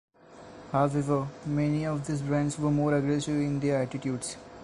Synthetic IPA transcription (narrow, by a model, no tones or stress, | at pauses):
haʊɛʋəɾmɛniɔʋd̪isbɾɛ̃ɳɖsʋəɾmoːɾəɡɾɛsɪʋɪ̃nd̪eɾæʈɪʈjuːɖz̥